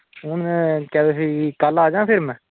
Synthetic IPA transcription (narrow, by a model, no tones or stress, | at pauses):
ʊnkɛːesiːkaːlaaːd͡ʒãːpʰɪɾmɛ̃ː